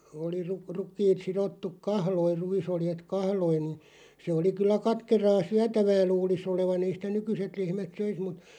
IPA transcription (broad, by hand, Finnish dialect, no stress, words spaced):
oli rŭ rukˑiːt sirotːuk kɑhloir̆ ruisoljet kɑhloin̆ nĭ se oli kylːæ kɑtkerɑː syætæʋæː luːlis oleʋɑn ei sĭtæ nykyset lehmæt søis mut